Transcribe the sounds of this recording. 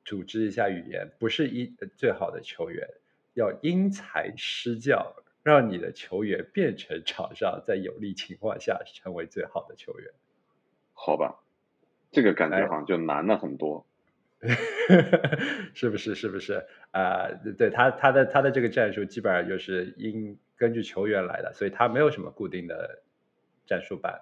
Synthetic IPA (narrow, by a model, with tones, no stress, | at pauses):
t͡su˨˩ʈ͡ʂɻ̩˥i˧˥ɕja˥˩y̰˨˩jɛ̰˧˥npu˧˥ʂɻ̩˥˧i˥t͡swe˥˩ɪxɑ˨˩ʊd̪ə̰˦t͡ɕʰjo˧˥ʊɥɛ̰˧˥n | jɑ˥˩ʊi˥ŋt͡sʰa˧˥ɪʂɻ̩˥t͡ɕjɑ˥˩ʊ | ɻɑ˥˩ŋni˨˩d̪ə̰˦t͡ɕʰjo˧˥ʊɥɛ˧˥npjɛ˥˩nʈ͡ʂʰɤ˧˥ŋʈ͡ʂʰɑ̰˨˩ʊŋɕɑ˥˧ŋt͡sa˥˩ɪjo̰˨˩ʊli˥˩t͡ɕʰi˧˥ŋkʰwɑ̰˥˧ŋɕja̰˥˧ʈ͡ʂʰɤ˧˥ŋwe˧˥ɪt͡swe˥˩ɪxɑ˨˩ʊd̪ə˦t͡ɕʰjo˧˥ʊɥɛ̰˧˥˦n | xɑ˨˩ʊbɐ̰˦˩ | ʈ͡ʂɤ˥˩ɡə˩ka̰˨˩nt͡ɕɛ˧˥xɑ̰˧˥˦ŋt͡ɕjo˥˩ʊna̰˧˥nə˨xə˨˩nt̪wɔ˥ | ʂɻ̩˥˩bu˩ʂɻ̩˥˧ʂɻ̩˥˩bu˩ʂɻ̩˥˩ | ə˧˩t̪we˥˩ɪt̪ʰa˥t̪ʰa˥d̪ə˨t̪ʰa˥d̪ə˨ʈ͡ʂɤ˥˩ɡə˩ʈ͡ʂa˥˧nʂu˥˩t͡ɕi˧˥pə˨˩˧t͡ɕjo˥˧ʊʂɻ̩˥˩i˥n | kə˥nt͡ɕy˥˩t͡ɕʰjo˧˥ʊɥɛ˧˥nla̰˧˥ɪd̪ə̰˨swɔ˧˥i˨˩t̪ʰa˥me˧˥ɪjo˨˩ʊʂə˧˥mə̰˧ku˥˧t̪i˥˩ŋd̪ə̰˩ | ʈ͡ʂa˥˧nʂu˥˧pa̰˥˩˦n